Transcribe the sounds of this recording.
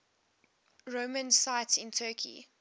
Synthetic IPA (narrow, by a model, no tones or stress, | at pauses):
ɹoʊmə̃nsaɪtsɪ̃ntʰɜːˑkʰḭ